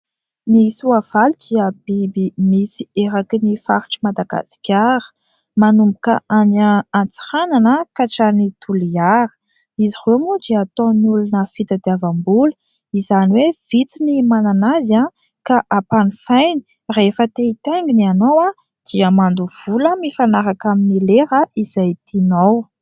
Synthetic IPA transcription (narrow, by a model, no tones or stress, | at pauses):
nisuav̥alud̪̥iəbibimisieɾakinifaɾi̥ʈ͡ʂimad̪aɡ̥a̰si̥kʲaɾə̥ | manumbukəʔanaant͡si̥ɾananəkaʈ͡ʂanit̪ʰuliaɾə̥ | izihemud̪iːt̪onulunəfit̪əd̪iavambul | izaniwev̥it͡sinimananaza | kaʔapanifajni̥ | refət̪eit̪eŋɡinianowa | d̪̥iəmand̪uv̥uləmifanaɾakaminileɾəiz̥ajt̪ʰinow